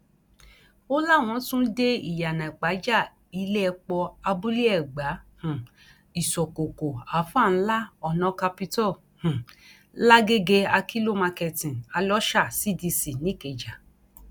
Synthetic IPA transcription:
o˦la˦˨w̃ɔ̃˨˧˦tũ˦de˦ḭ˦˨ja˨nã˨ɡ͡ba˨˦d͡ʒa˦˨ | i˧le˦ɛ˧k͡pɔ˧a˧bu˦li˦ɛ˦˨ɡ͡ba˨˦hũ˨ | i˨sɔ˨ko˨ko˨a˨˦fa˦˨n̩˦la˦ɔ˧˨nɔ̃˧˦ka˧pi˧tɔ˦˨ | hũ˨ | la˦ɡe˦ɡe˧a˧ki˦lo˦˨mã˧kɛ˧tĩ˨na˧lɔ˦ʃa˦˨si˦˨di˧si˨nĩ˨˦ke˨d͡ʒa˨

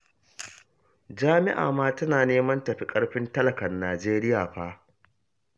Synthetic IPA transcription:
d͡ʒaː˦mɪ̰˦ʔa̰ː˨maː˦tɐ˦naː˨neː˦mɐ˦ntɐ˨ɸi˦kʼɐ˦ɽɸɪ˦ntɐ˦lɐ˨kɐ˨nːaː˨d͡ʒeː˦ɾɪ˦jaː˨ɸaː˦

